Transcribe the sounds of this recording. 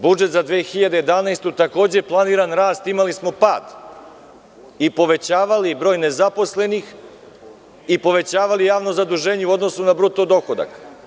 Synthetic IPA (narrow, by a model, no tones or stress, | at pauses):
bud͡ʒet̪zad̪ʋeːxiʎad̪eje̞d̪anajst̪ut̪ako̞ːd͡ʑe̞plˠaniːɾanɾaːst̪imalismo̞paːd̪ | ipo̞ʋe̞t͡ɕaːʋalibɾo̞ːjne̞zapo̞sle̞nix | ipo̞ʋe̞t͡ɕaːʋalijaːʋno̞zad̪uʒe̞ːɲeuo̞d̪no̞sunabɾut̪od̪o̞xod̪a̰k